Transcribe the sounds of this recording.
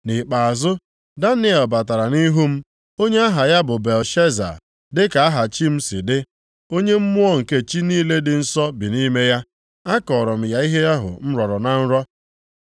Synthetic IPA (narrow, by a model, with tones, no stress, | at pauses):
nɪ˨k͡pa˨a˨zʊ˦ | da˦nɪ˦ɛ˨lba˨ta˨ɾa˨ni˦ɦu˦m̩˦ | o˦ɲe˦a˦ɦa˨ja˦bʊ˨be˨lʃe˦za̰˨ | dɪ˦ka˨a˦ɦa˨t͡ʃi˦m̩˦sɪ˨dɪ˦ | o˦ɲe˦m̩˦mʊ˦ɔ˦ŋ̩˨ke˦t͡ʃi˦niː˦le˦dɪ˨n̩˦sɔ˦bi˨ni˦me˦ja˦ | a˦kɔ˨ɾɔ˨m̩˦˨ja˦i˦ɦe˦a˦ɦʊ̰˨m̩˦ɾɔ˨ɾɔ˨na˨n̩˦ɾɔ˦